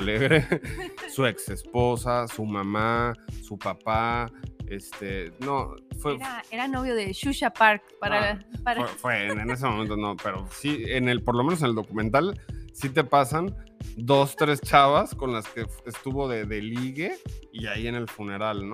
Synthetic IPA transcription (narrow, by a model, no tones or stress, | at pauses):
leɣɾesue̞kse̞spo̞sasumãmasupapa | est̪enofweeɾanoβjoðeʃuʃapaɾkpaɾapɾefweene̞s̬emoment̪onope̞ɾo̞sienelpo̞ɾlomenos̬e̞neld̪okument̪̬alsit̪̬e̞pasand̪o̞st̪ɾe̞st͡ʃaβasko̞nlaske̞est̪uβo̞ðeðe̞liɣeiaie̞ne̞lfune̞ɾalno